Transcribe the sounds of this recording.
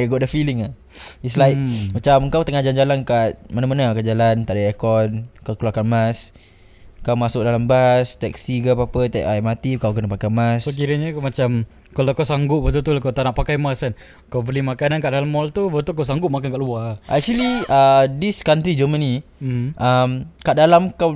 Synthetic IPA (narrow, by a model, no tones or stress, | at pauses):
ɡɔʔ̚dəfiliŋa | islaikmat͡ʃaməŋkawt̪əŋad͡ʒand͡ʒalankat̪̚manamanakad͡ʒalant̪aʔdəɛkɔd̚kakluakanmas | kawmasʊk̚dalambast̪ɛksiɡapapət̪ɛʔajmat̪ikawkənapakajmassək̬iɾəɲakmat͡ʃam | kalawkawsaŋɡʊp̚bət̪ut̪ulakawt̪anaʔpakajmasan | kawbəlimakanankaʔdaɦalmɔlt̪ubət̪ukaws̬aŋɡʊp̚makankaʔluaʔɛ̰k̚t͡ʃuəliadiskant̪ɾid͡ʒəməniʔamkaʔdalamkaw